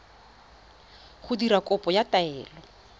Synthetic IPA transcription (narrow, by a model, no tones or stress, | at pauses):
χʊdiɾakʼɔpʼɔjataɛːlɔ